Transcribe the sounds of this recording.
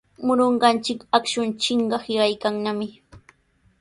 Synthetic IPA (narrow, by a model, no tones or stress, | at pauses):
mʊɾoɴɢɑnt͡ʃɪkakʃʊnt͡ʃɪɴɢɑhɪɢajkaŋnamɪ